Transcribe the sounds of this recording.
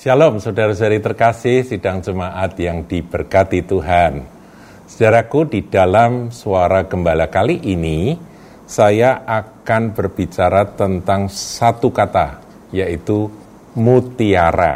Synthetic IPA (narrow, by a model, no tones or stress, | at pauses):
salɔmsodaɾasaɾit̪ərkasɪhsidaŋd͡ʒəmaʔat̪jaŋdib̥ərkat̪it̪uɦan | sə̥daɾakudidalamsuaɾaɡəmbalakaliʔini | sajaʔakanbərb̥it͡ʃaɾat̪ənt̪aŋsat̪ukat̪a | jait̪u | mut̪iaɾa̰